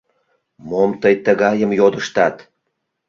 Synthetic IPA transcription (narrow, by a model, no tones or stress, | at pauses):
momt̪əjt̪əɣɑjəmjod̪əʃt̪ɑt̪